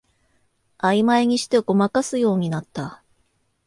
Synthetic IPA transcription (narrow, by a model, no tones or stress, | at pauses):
aimaeɲ̟iɕi̥t̪e̞ɡo̞makasɨjo̞ːɲ̟inat̪ːa